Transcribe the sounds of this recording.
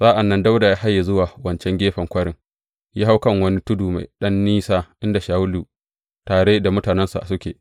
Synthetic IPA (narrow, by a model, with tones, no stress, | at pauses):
saː˦ʔa˨nːɐ˦nda˦wda˨jaː˦ha˦jːa˨zʊ˦waː˨wɐ˦nt͡ʃɛ˦ŋɡʲeː˦ɸɐ˨ŋkʷɐ˦ɽɪ˦ŋ | ja˦ɦa˦wkɐ˦˨ŋwɐ˦ni˦tʊ˦duː˨ma̰˨jɗɐ˦nːiː˦saː˦ʔɪ˦nda˨ʃaː˨˦wʊ˦luː˨ | taː˨ɽeː˦da˨mʊ˦taː˨nɛ˦nsa̰˨sʊ˦kʲḛː˨